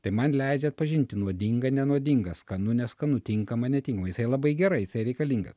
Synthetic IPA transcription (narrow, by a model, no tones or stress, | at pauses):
t̪ɐɪmɐnlʲɛɪd͡ʒʲɛɐt̪̚pɐʒʲɪnʲt̪ʲɪnuɔd̪ʲɪŋɡɐnʲɛnuɔd̪ʲɪŋɡɐskɐnʊnʲɛskɐnʊt̪ʲɪŋkɐmɐnʲɛt̪ʲiŋkɐmɐjɪsɐɪlˠɐbɐɪɡʲɛɾɐɪjɪsɐɪɾʲɛɪkɐlʲiːŋɡɐ̰s